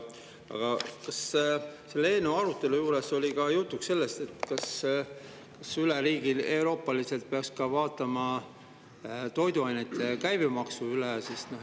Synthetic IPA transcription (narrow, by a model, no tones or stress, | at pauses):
ɑ̰ɡ̥ɑkɑsse̞lːee̞ːnːeuɑɾut̪ːˑe̞lujuːɾe̞solʲikɑjut̪ːˑuksse̞lːest̪e̞t̪ːˑkɑs | kɑsyleɾiːɡ̥ile̞wɾo̞ːpːˑɑlise̞lt̪̚pe̞ɑkskɑvɑːt̪ːˑɑmɑ | t̪o̞jd̪uɑjnet̪ːˑekæjbimɑksuylɛsisno